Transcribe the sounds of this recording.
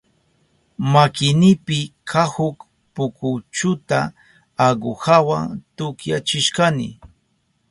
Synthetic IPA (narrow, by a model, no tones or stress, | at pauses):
makɪnɪpɪkʰahʊk | pʊkʊt͡ʃʊt̪aː | ɢohawaŋt̪ʊkjat͡ʃɪʃkanɪ̰